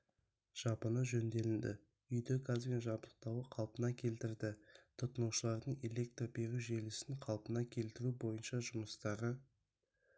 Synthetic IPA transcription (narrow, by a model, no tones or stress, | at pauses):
ʒ̥ɑpənəʒɵnd̪e̞lɪnd̪ɪ̰ | ʏjd̪ɪkʰɑzbʲenʒɑbəlˠəq̚t̪ɑwəqʰɑlˠpənɑkʲʰe̞lt̪ɪɾd̪ɪt̪ʰʊt̪ənuʃəlˠɑɾd̪əɴe̞le̞k̚t̪robe̞ɾʲuʒe̞lɪsɪŋqʰɑlˠpənɑkʲʰe̞lt̪ɪɾubo̞jənʃɑʒʊməst̪ɑʁə